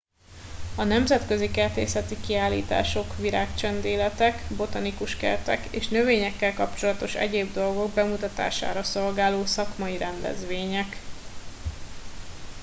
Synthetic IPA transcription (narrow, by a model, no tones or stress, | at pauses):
ɒnɛmzɛt̪kø̞zikɛrt̪ḛːsɛt̪ikiaːlːḭːt̪a̰ːʃo̞kʋiɾaːkt͡ʃɛnd̪eːlɛt̪ɛkbo̞t̪ɒnikuʃkɛ̰rt̪ɛ̰kḛːʃnø̞veːɲɛkːɛlkɒpt͡ʃo̞lɒt̪o̞ʃɛ̰ɟeːbd̪o̞lɡo̞ɡ̚bɛmut̪ɒt̪a̰ːʃa̰ːɾɒso̞lɡaːloːsɒkmɒiɾɛnd̪ɛ̰zʋeːɲɛk